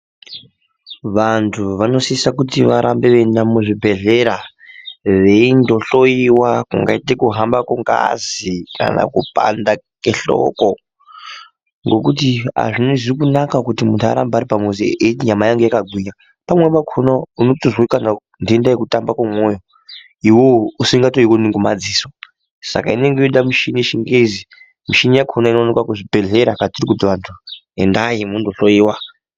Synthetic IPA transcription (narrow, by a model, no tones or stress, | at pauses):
ʋantʰuʋano̞siisakutiʋaɾʔambeʋendamuʐibʱe̞ɮeɾa | ʋeindo̞ɬo̞iwakuŋɡa̰itekuɦambakuŋɡa̰zikʰa̰na̰kupa̰nda | keɬo̰ko | ŋɡo̞kut̬ia̰ʐiniʐirikunakakutimuntʰa̰ɾa̰mbaaɾipamuzḛʔeiɲamajaŋɡejakaɡʱwiɲa | pamwepakʰonaunotoʐwokana | ndiendajekutambakwamwojo | iwousiŋɡatoikoniŋɡoma̰d͡ziːso | sa̰kaine̞ŋɡeoɗamuʃiniʃiŋɡezi | muʃinijakʰonainoanekwakuʐibʱe̞ɮeɾakatirik̬udʋantʰuendajimundoɬoiːwa